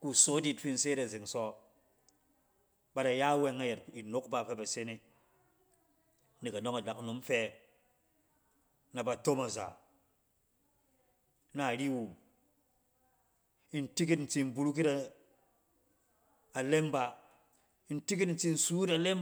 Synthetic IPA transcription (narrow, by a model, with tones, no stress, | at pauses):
ku˨so˦di˦tfi˦n̩˨se˦ɾa˨ze˨ŋsɔ˦ | ba˨da˨ja˦we˦ŋa˦je˨t̚i˨no˦kba˦˨fe˦ba˨se˦ni˦ | di˨ka˨no˦ŋa˨da˨kno˨˦mfe˦ | na˨ba˨to˦ma˨za̰˨ | na˨ɾi˦wu˨m | i˦nti˦k̬i˦tn̩˨t͡si˦n˦bu˦ɾu˦k̬i˦ta˦˨ | le˦mba˦ | i˦nti˦ki˦tn̩˨t͡si˦n̩˦˨suː˦ta˨le˦m